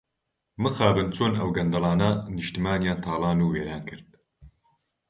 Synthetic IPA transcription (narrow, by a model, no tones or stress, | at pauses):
mɨxaːbɨnt͡ʃʰoːnɐwɡɐnd̪ɐlˠɑːnɐnɨʃt̪imaːnjaːnt̪ʰaːlˠɑːnuːweːɾaːnkʰɨɾd̪̚